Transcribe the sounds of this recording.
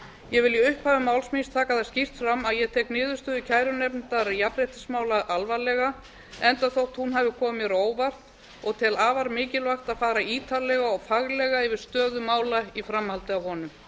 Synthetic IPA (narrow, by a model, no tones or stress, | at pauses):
jɛvɪljɪʏhphaːvɪmaːwlsminst̪ʰaːkaθḁscir̥t̪fɾamːaðjɛt̪ʰɛːknɪːðʏst̪ʏðɪcʰaːjɾʏnɛpnt̪aɾjapɾɛjht̪ɪ̥smaːwlaʔalvalɛɣa | ɛnt̪aθowht̪hunɦaːvɪkʰɔːmɛɾoːwvar̥t̪ | ɔɣt̪ʰɛlaːvaɾmɪːcɪlvajxt̪aðfaːɾaiːt̪ʰalːɛɣaɔɣfaɣlɛɣaɪvɪɾ̥st̪œːðʏmaːwlaifɾamhalt̪ɪawhɔːnʏm